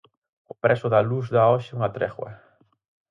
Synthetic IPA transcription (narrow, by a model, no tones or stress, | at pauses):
ʊpɾɛsʊðaluzðaɔʃɪuŋat̪ɾɛχwa̰